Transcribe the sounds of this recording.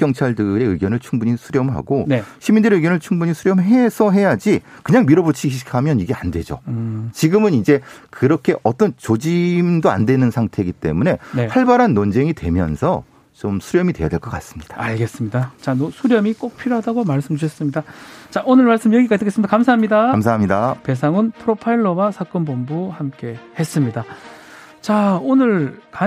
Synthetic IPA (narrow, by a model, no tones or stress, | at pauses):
kjʌŋt͡ɕʰaɭdɯɾe̞ɯɡjʌnɯɭt͡ɕʰuŋbuɲisʰuɾjʌmɭɦa̰ɡoneɕʰimindɯɾeɯɡjʌnɯɭt͡ɕʰuŋbuɲisʰuɾjʌmɭɦe̞sʰʌɦe̞jad͡ʑikɯɲaŋmiɾobut͡ɕʰiiɕi̥kʰamjʌniɡe̞andwe̞d͡ʑo̰t͡ɕiɡɯmɯnid͡ʑe̞kɯɾʌkʰe̞ʔʌt͈ʌnt͡ɕod͡ʑimdoa̰ndwe̞nɯnsʰaŋtʰe̞ɡit͈e̞̰mune̞nehaɭbaɾɦanːʌnd͡ʑe̞ŋitwe̞̰mjʌ̰nsʰʌ | t͡ɕomsʰuɾjʌmidwe̞jadwe̞ɭk͈ʌk͈as͈ɯmɲid̥aaɭɡe̞s͈ɯmɲidat͡ɕanosʰuɾjʌmik͈ok̚pʰiɾoɦadaɡomaɭs͈ɯmd͡ʑuɕʰʌs͈ɯmɲidat͡ɕaʔonɯɭmaɭs͈ɯmjʌɡikat͈ʰekesɯmid̥̪akamsʰaɦamɲidakams̬ʰaɦamɲidape̞sʰaŋɯnpʰɯɾopʰaiɭːʌwasʰak͈ʌnbombuhamk͈e̞he̞s͈ɯmɲida | t͡ɕaonɯɭka